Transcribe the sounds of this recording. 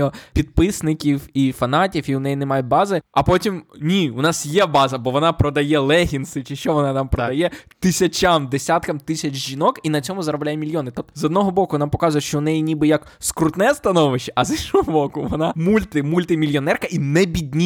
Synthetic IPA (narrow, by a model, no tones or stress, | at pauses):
ɔpʲid̪̚pɪsnɪkʲiwifɐnɑtʲiwiʊnɛjinɛmɑjʊbɑzɪɐpɔtʲimnʲiʊnɑsjɛbɑzɐbɔʋɔnɑpɾɔd̪ɐjɛlˠɛɦʲinsɪt͡ʃɪʃt͡ʃɔʋɔnɑt̪ampɾɔd̪ɐjɛt̪ɪsʲɐt͡ʃamd̪esʲat̪kɐmt̪ɪsʲɐt͡ʃʒinɔkinɐt͡sʲɔmʊzɐɾɐblʲajɛmʲilʲjɔnɪt̪ɔptzɔd̪nɔɦɔbɔkʊɔnɑmpɔkɑzʊjɛʃt͡ʃɔnɛjinʲibɨjɐk | skɾʊt̪nɛst̪ɐnɔʋɪʃt͡ʃːɛʔɐzinʃɔɦɔbɔkʊʋɔnɑmulʲt̪ɪmulʲt̪ɪmʲilʲjɔnɛrkɐʔinɛbʲid̪ʲnʲi